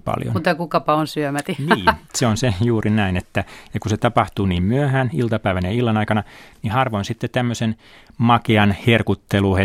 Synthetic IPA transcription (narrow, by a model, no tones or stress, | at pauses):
pɑ̰ljo̰nut̪ekukɑpɑonsyømæt̪iniːseonsejuːrinæinet̪ːæjɑkuset̪ɑpɑht̪uːniːmmyøhæːnilt̪ɑpæiʋænjɑilːɑnɑikɑnɑnihɑrʋonsit̪ːet̪æmːøsen | mɑkeɑnherkut̪ːeluhe